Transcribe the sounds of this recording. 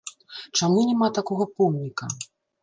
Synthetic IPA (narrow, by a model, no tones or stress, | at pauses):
t͡ʂamunʲɛmat̪akɔɣɐpɔmnʲikɐ